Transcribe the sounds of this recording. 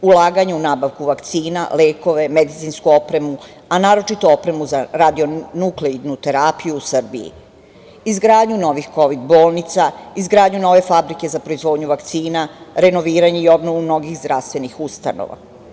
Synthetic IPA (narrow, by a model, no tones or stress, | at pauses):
ulaːɡaɲuunaːbaʋkuʋakt̪siːnale̞ːko̞ʋe̞med̪it̪sinskuopɾe̞mu | anaːɾo̞t͡ʃit̪oo̞pɾe̞muzaɾad̪io̞nukleiɾnut̪e̞ɾapijusr̩biḭ | izɡɾaːd̪ɲuno̞ʋixko̞ʋid̪bo̞ːlˠnit̪saizɡɾaːd̪ɲuno̞ʋe̞fabɾike̞zapɾoizʋo̞ːd̪ɲuʋakt̪siːnaɾe̞no̞ʋiːɾaɲeio̞bno̞ʋumno̞ɡixzd̪ɾaʋst̪ʋe̞nixust̪a̰no̰ʋa̰